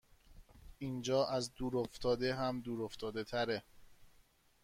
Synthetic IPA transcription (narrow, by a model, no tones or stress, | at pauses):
iːnd͡ʒɒːʔæzd̪uːɾoft̪ʰɒːd̪eɦæmd̪uːɾoft̪ʰɒːd̪et̪ʰæɾe